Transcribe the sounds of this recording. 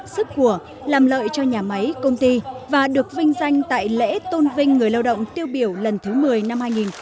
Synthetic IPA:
sɨ˦˥k̚ku˧˩ə | laː˨˩mlə̰ː˧˨jt͡ɕɔ˧ɲaː˨˩ma˨˦jkə˧wŋ͡mt̪i˧vaː˨˩ɗɨ˨˩ək̚vï˧ŋ̟za˧jŋ̟t̪a̰ː˧˨jlḛ˧˥t̪o˧nvï˧ŋ̟ːɨ˨˩əjla˧wɗə̰˧˨wŋ͡mt̪i˧əwɓi˧˩əwlə˨˩nt̪ʰɨ˨˦mɨ˨˩əjna˧mhaː˧jŋi˨˩n

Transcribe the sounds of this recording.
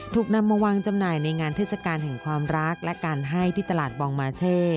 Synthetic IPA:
t̪ʰuː˨˩k̚na˧mːa˧waː˧ŋt͡ɕa˧mnaː˨˩jna˧jŋaː˧nt̪ʰeː˦˥˩t̪̚sa˧kaː˧nɦɛ˨˩ŋkʰwaː˧mɾa˦˥k̚lɛ˦˥kaː˧nɦa˥˩jt̪ʰiː˥˩t̪a˧laː˨˩t̪̚bɔː˧ŋmaː˧t͡ɕʰeː˥˩

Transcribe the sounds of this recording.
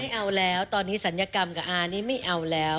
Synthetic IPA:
a˥˩jʔa˧wlɛː˦˥wt̪ɔː˧nːiː˦˥sa˩˦njaː˧ka˧mkaː˨˩ʔaː˧niː˥˩ma˥˩jʔa˧wlɛː˦˥w

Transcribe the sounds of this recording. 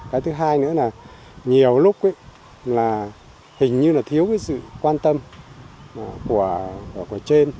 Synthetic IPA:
kaː˨˦jt̪ʰɨ˨˦ɦaː˧jnɨ̰˧˥əlaː˨˩ | ɲi˨˩əwlʊ˦˥k͡p̚ə˨˦j | laː˨˩ | hï˨˩ŋ̟ɲɨ˧laː˨˩t̪ʰi˨˦əwvəː˨˦jsɨ̰˧˨kwaː˧nt̪ə˧m˨˩ | ku˧˩əkku˧˩ət͡ɕe˧n

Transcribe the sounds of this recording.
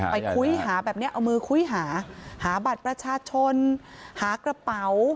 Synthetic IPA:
pa˧jkʰu˧˥jɦaː˩˦bɛː˨˩p̚ni˥ɐʔa˧wmɯː˧kʰu˧˥jɦaː˩˦haː˩˦ba˨˩t̪̚pɾa˧t͡ɕʰaː˧t͡ɕʰo˧nhaː˩˦kɾa˧pa˨˦w

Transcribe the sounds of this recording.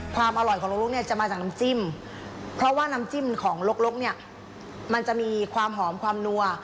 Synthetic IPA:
kʰwaː˧mʔa˧lɔ˨˩jʰɔː˩˦lo˦˥lo˥ni˥˩ɐt͡ɕa˨˩maː˧t͡ɕaː˨˩kna˦˧˥mt͡ɕi˥˩m | pʰɾɔ˦˥ʔwaː˥˩na˦˥mt͡ɕi˥˩˨mkʰɔː˩˦ŋlo˦˥k̚lo˦˥k̚ni˥˩ɐ | ma˧nt͡ɕa˨˩ʔmiː˧kʰwaː˧mɦɔː˩˦mkʰwaː˧mnu˧ɐ

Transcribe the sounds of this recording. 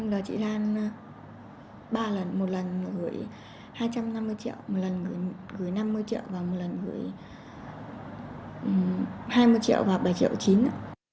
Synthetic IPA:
mɗɔ˨˩t͡ɕḭ˧˨zaː˧ŋ˧ | ɓaː˧lə˨˩nmo˨˩t̚lə˨˩n˨˩ɣɨ˨˧˩əj | haː˧jt͡ɕa˧mna˧mːɨ˧əjt͡ɕḭ˧˨əwmo˨˩t̚lə˨˩nɣɨ˨˧˩əj | ɣɨ˨˧˩əjna˧mːɨ˧əjt͡ɕḭ˧˨əwvaː˨˩wmo˨˩t̚lə˨˩nɣɨ̰˨˧˩əj | ʔhaː˧jmɨ˧əjt͡ɕḭ˧ə˨wvaː˨˩ɓə˧˩jt͡ɕḭ˧˨əwt͡ɕi˨˦nʔaː˧˨

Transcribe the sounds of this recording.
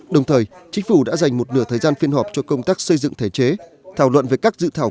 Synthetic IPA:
ɗə˨˩wŋ͡mt̪ʰəː˨˩jt͡ɕï˨˦ŋ̟fu˧˩ɗa̰ː˧˥za˨˩jŋ̟mo˨˩t̚nɨ˧˩ət̪ʰəː˨˩jzaː˧nfi˧ənɦɔː˨˩p̚t͡ɕɔ˧kə˧wŋ͡mt̪aː˦˥k̚sə˧jzɨ̰˧˨ŋt̪ʰe˧˩t͡ɕe˨˦ | t̪ʰaː˧˩wlwə̰˧˨nve˨˩kaː˦˥k̚zɨ̰˧˨t̪ʰaː˧˩w

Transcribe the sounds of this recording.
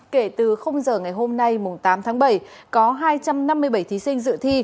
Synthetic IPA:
ke˧˩t̪ɨ˨˩xə˧wŋ͡mzəː˨˩ŋa˨˩jɦo˧mna˧jmʊ˨˩ŋ͡mt̪aː˨˦mt̪ʰaː˨˦ŋɓə˧˩jkɔ˨˦ɦaː˧jt͡ɕa˧mna˧mːɨ˧əjɓə˧˩jt̪ʰi˨˦sï˧ŋ̟zɨ̰˧˨t̪ʰi˧

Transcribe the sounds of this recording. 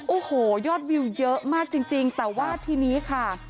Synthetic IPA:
ʔoː˧˩hoː˨˩˦jɔː˥˩t̪̚wi˧wjɤ˦˥ʔmaː˥˩k̚t͡ɕi˧ŋt͡ɕi˧ŋt̪ɛː˨˩waː˥˩t̪ʰiː˧niː˦˥kʰa˥˩

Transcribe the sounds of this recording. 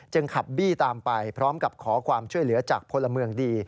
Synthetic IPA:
t͡ɕɤ˧ŋkʰa˨˩p̚biː˥˩t̪aː˧mpa˧jpʰɾɔː˦˥mka˨˩p̚kʰɔː˩˦kʰwaː˧mt͡ɕʰu˥˩əjlɯ˩˦ɐt͡ɕaː˨˩k̚pʰo˧nla˧mɯ˧əŋdiː˧

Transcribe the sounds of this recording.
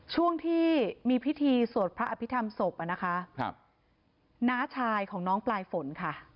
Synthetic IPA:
t͡ɕʰu˥˩əŋt̪ʰiː˥˩miː˧pʰi˦˥t̪ʰiː˧su˨˩ət̪̚pʰɾa˦˥ʔa˧pʰi˦˥t̪ʰa˧mso˨˩pʔa˨˩na˦˥kʰa˦˥˧ | naː˦˥t͡ɕʰaː˧jkʰɔː˩˦ŋnɔː˦˥ŋplaː˧jfo˩˦nkʰa˥˩

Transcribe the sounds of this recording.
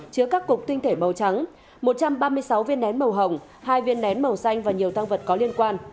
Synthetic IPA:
t͡ɕɨ˧əkaː˦˥kːʊ˨˩k͡p̚t̪ï˧ŋt̪ʰe˧˩mə˨˩wt͡ɕa˨˦ŋ | mo˨˩t̚t͡ɕa˧mɓaː˧mɨ˧əjsa˨˦wvi˧ənɗɛ˨˦nmə˨˩wɦə˨˩wŋ͡m | haː˧jvi˧ənɗɛ˨˦nmə˨˩wsa˧jŋ̟vaː˨˩ɲi˨˩əwt̪ʰa˧ŋvə˨˩t̚kɔ˨˦li˧ənkwaː˧n

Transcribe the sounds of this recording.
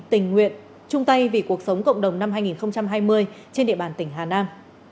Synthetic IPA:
t̪ï˧˩ŋ̟ŋwḭ˧˨ən | t͡ɕʊ˧ŋ͡mt̪a˧jvi˨˩ku˨˩ək̚sə˨˦wŋ͡mkə̰˧˨wŋ͡mɗə˨˩wŋ͡mna˧mɦaː˧jŋi˨˩nxə˧wŋ͡mt͡ɕa˧mɦaː˧jmɨ˧əjt͡ɕe˧nɗḭ˧˨ɓaː˨˩nt̪ï˧˩ŋ̟ɦaː˨˩naː˧m

